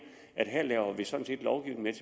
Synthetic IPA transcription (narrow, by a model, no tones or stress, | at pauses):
ʔæd̥ɦæɐ̰lɛːʊɐʋisɒ̽n̩se̝̰ːd̥lɒʊɡ̥iʊ̰n̥met͡sʰ